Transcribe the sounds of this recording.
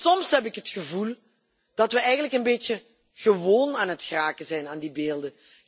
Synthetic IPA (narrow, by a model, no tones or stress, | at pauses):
sɔmsɦɛp̬ɪkɦətχəvulˠ | d̥ɑtʋəɛjɣənləkənbeːtə | χəʋoːnaːnɦətxraːkəzɛjnaːndibeːlˠdə